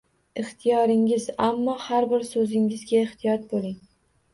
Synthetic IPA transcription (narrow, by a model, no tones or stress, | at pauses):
ɪχt̪ʰɪjɒɾɪŋɪzamːɒhaɾbɪɾsɵzɪŋɪzɡʲaɪχt̪ʰijɒt̪̚bolɪŋ